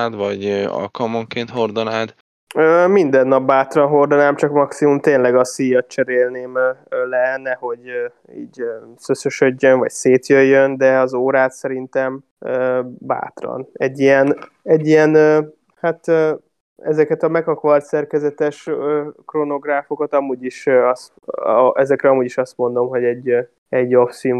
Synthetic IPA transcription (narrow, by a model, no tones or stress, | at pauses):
d̪vɒɟɒ̰lkɒlmoŋkeːnt̪ho̞rd̪onaːd̪ | øːmind̪ɛnːɒb̚baːt̪rɒnɦo̞rd̪onaːmt͡ʃɒkmɒksimumt̪eːnlɛɡɒsiːjɒt̪̚t͡ʃɛɾeːlneːmlɛnɛho̞ɟø | ḭːɟøsøsøʃø̞ɟːønvɒ̰cseːt̪jøjːønd̪ɛɒzoːɾaːt̪sɛɾint̪ɛm | øba̰ːt̪rɒ̰nɛɟːijɛn | ɛɟːijɛnø | hat̪ː | ɛzɛkɛt̪ɒmɛkɒkʋɒlt̪sɛrkɛzɛt̪ɛʃøːkrono̞ɡraːfo̞kɒt̪ɒmuːɟiʃɒst̪ɛzɛkɾɛɒmuːɟiʃɒst̪mo̞n̪d̪o̞mɦo̞ɟɛɟ | ɛɟːofsiu